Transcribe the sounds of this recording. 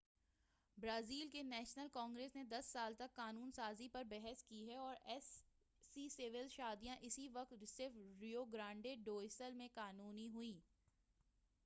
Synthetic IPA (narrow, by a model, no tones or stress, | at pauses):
bɾaːziːlkenɛːʃnəlkɔ̃ːŋɡɾeːsned̪ɐsːaːlt̪ɐkːaːnuːnsaːzipɐɾbɛɦəskiɦɛɔːɾɛːs | iːsɪʋɪlʃaːd̪ijãʔɪsiʋɐk̚t̪sɪɾfɾioɡɾãːɳɖeɖoːɪsəlmẽkaːnuːniɦʊiː